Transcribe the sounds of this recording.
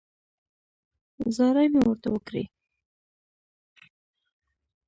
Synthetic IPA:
zɑɾajmewəɾt̪awəkɾḭ

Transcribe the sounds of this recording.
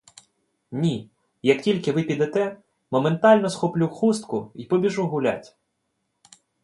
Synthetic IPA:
nʲi | jɐktʲilʲkɪʋɪpʲid̪ɛt̪ɛ | mɔment̪ɑlʲnɔsxɔplʲuxust̪kʊipɔbʲiʒuɦʊlʲa̰tʲ

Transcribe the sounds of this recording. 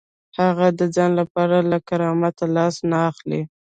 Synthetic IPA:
haɣad̪əd͡zɑnlapɑɾalakaɾɑmat̪alɑsnaːxli

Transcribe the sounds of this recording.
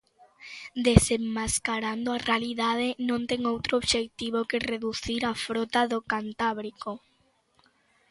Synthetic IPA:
d̪esemːaskaɾand̪oarealiðað̞enõnt̪ɛŋowt̪ɾooβʃek̚t̪iβokereðuθiɾafɾɔt̪aðokant̪aβɾiko

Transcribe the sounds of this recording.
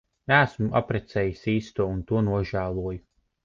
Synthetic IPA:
næːsmua̰pɾɛt̪sɛːjisiːst̪uɔunt̪uɔnuɔʒæːlˠuɔju

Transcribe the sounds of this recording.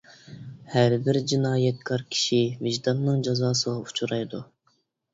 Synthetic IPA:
hæɾbɪɾd͡ʒinɑːjɛt̪̚kʰɑɾkʲʰi̥ʃiviʒd̪ɑnːɨŋd͡ʒɑzɑːsɨʁɑut͡ʃʰuɾɑjd̪u

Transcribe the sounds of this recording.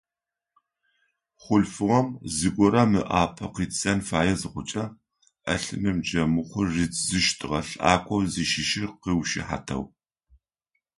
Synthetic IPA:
χʷʊɬfɨʁɐmzɨkʷʼɔɾɐmɨ̰ʔaːpʰɐqiːt͡ssɐnfaːjɐzɨχʷʊt͡ʃʼɐ | ɐɬɨmɨmd͡ʒɐmɨχʷʊrrit͡sʼzɨʃtʰʼɨʁɐɬa̰ːkʷʼɔwziʃɪʃɪqiwʃɪ̰ħa̰tʰɐ̰w

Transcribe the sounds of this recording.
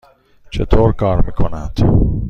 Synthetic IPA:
t͡ʃʰet̪ʰoːɾkʰɒːɾmiːkʰonænd̪̥

